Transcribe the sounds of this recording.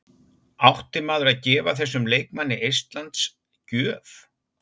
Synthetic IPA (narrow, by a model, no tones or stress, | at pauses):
awht̪ɪmaːðʏɾaðcɛːvaθɛsːʏmleːjk̚manːɪʔejst̪lant̪s | cœːf